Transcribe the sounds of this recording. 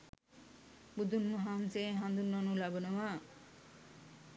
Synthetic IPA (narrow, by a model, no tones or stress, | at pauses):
bud̪unːuɦanseɦãnd̪unːɔnulabənowa